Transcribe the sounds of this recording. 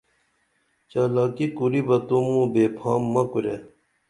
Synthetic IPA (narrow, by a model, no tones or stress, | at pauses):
t͡ɕaːlaːkikuɾibɐt̪umũbeːpʰaːmːɐkuɾḛ